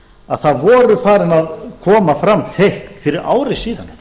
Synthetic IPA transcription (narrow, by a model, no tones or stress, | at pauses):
aðθaðvɔːɾʏfaːɾɪnaðkʰɔːmafɾamːt̪ʰehkfɪɾɪɾʔa̰ːwɾɪsiːðan